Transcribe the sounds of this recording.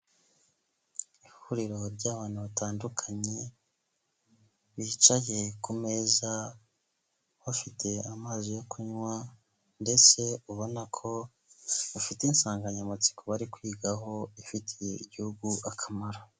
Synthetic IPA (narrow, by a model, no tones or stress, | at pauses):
ihuɾiɾo̞ɾɟaːβaːn̥huβataːndukʰaɲe̞ | βiːt͡ʃaje̞kume̞za | βafitʰe̞amaːzijo̞kʰuɲwa | nde̞t͡se̞uβo̞nakʰo̞ | ufiteinsaːŋɡaɲamat͡si̥koβaɾikwiːɡaɦo̞ifitʰijeiɟihuɡuʔakʰamaɾa